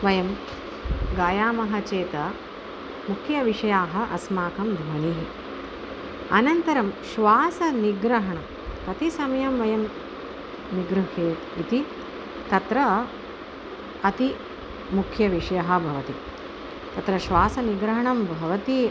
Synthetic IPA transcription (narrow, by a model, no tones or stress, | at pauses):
ʋɐjɐm | ɡaːjaːmɐɦɐ̆t͡ʃeːt̪ɐ | mukʰjɐʋiʂɐjaːɦɐ̆ʔɐsmaːkɐmd̪ʱʋɐɳiɦi | ɐnɐnt̪ɐɾɐmʃʋaːsɐniɡɾɐɦɐɳɐ | pɐt̪isɐmɐjɐmʋɐjɐm | niɡɾuɦeːt̪it̪i | t̪ɐt̪ɾɐ | ɐt̪i | mukʰjɐʋiʂɐjɐɦɐ̆bʱɐʋɐt̪i | t̪ɐt̪ɾɐʃʋaːsɐniɡɾɐɦɐɳɐmbʱɐʋɐt̪i